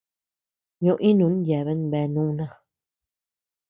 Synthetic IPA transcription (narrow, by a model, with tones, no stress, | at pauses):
ɲõ˧ʔĩ˦nũ˧˦ñ˦je˨βe˦n˦βe˧nũː˦˧˦nã˦˨